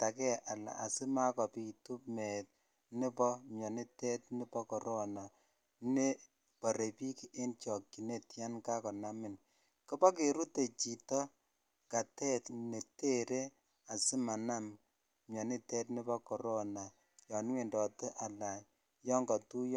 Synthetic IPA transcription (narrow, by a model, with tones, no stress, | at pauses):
ta˨kɛ˦ʔa˨la̰˨a˨sɪ˦ma˦kɔ˨pi˨tu˦pmɛ˨t̚ | nɪ˦pɔ˦mjɔ˨ni˦tɛ˦t̚nɪ˦pɔ˦kɔ˨ɾɔ˦na˨ | ne˦ | pɔ˨ɾe˨pi˦ki˨ʔe˦nt͡ʃɔ˨kːi˨ne˦tja˦nka˦kɔ˨na˦mɪ˨n | kɔ˦pɔ˦k̬e˨ɾu˦te˨t͡ʃi˨tɔ˦ | ka˨tɛ˦tne˨te˦ɾe˦ | a˨sɪ˦ma˨na˦m | mjɔ˨ni˦tɛ˦tnɪ˦bɔ˦kɔ˨ɾɔ˦na˨ | jɔ˨n˦we˨ndɔ˨te˦ʔa˨la˨j | jɔ˦ŋɡɔ˨tu˦j